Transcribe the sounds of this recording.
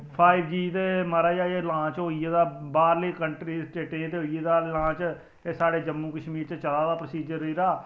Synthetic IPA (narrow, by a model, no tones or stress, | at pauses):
pʰaːibd͡ʒiːt̪eːməɾaːd͡ʒaːeːlãːt͡ʃɦoːiːeːd̪aːbaːɾliːkəɳʈɾiːsʈeːʈẽːt̪eːɦoːieːd̪aːlãːt͡ʃ | eːsaːɽeːd͡ʒəmːũːkəʃmiːɾt͡ʃət͡ʃəlaːd̪aːpɾəsiːd͡ʒəɾəiːɾaː